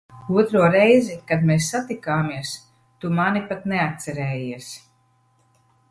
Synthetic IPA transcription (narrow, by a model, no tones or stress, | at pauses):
uɔt̪ɾuɔɾɛjzikad̪meːsːat̪ikaːmiɛs | t̪umanipat̪neat̪̚t̪sɛɾɛːjiɛs